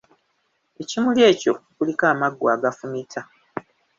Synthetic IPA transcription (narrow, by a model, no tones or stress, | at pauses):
e̞cimulje̞ːco̞kulikaːmaɡːwaːɡafumitʰa